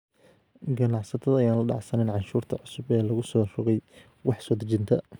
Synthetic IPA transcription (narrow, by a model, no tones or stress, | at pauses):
ɡɐnɑʕsɐt̪ʰɐðɐːjaːnlɐɖɑ̰ʕsɐnɛnʕɑnʃuːrt̪ʰɐʕʊsʊbɛːlɐɣʊsɔːrʊɣɛj | wɑħsɔːd̪ɐt͡ʃɪnt̪ʰɐ